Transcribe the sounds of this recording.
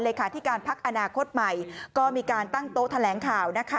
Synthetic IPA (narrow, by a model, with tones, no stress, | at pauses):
nleː˧kʰaː˨˧˩t̪ʰi˦˥kaː˧npʰa˦˥k̚ʔa˧naː˧kʰo˦˥t̪̚ma˨˩jkɔː˥˩miː˧kaː˧nt̪a˥˩ŋt̪oː˦˥t̪ʰa˧lɛː˩˦ŋkʰaː˨˩wna˦˥kʰa˦˥